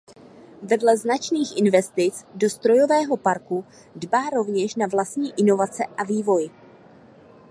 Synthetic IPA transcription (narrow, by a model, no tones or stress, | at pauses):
vɛdlɛznat͡ʃniːxʔɪnvɛst̪ɪt͡sdo̞st̪ɾo̞jo̞vɛːɦo̞paɾku | dbaːɾo̞vɲɛʃnavlast̪ɲiːʔɪno̞vat͡sɛʔaviːvo̞j